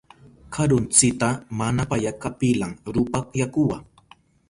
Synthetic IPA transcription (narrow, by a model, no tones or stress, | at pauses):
kʰaɾʊnt͡sɪt̪amanapajakapɪlaŋɾʊpakjakʊwaŋ